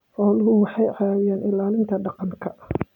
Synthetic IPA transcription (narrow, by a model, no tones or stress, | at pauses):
ħɔːlʊɦʊwɑħɑjʕɑaːwɪjaːnɪlaːlɪnt̪ʰɐɖɑqɑŋkʰɐ